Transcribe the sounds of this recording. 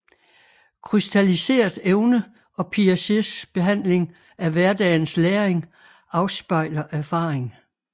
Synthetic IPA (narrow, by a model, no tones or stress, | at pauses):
kʰʁysd̥ælise̝̰ːɐd̥eʊnə | ɒ̽pʰiæsesb̥e̝ɦæn̰le̝ŋ | æʋæɐd̥ɛ̰ːn̩sleːɐeŋ | ɑ̈ʊsb̥ɑ̈ɪ̰lɐʔæɐfɑ̰̈ːʁeŋ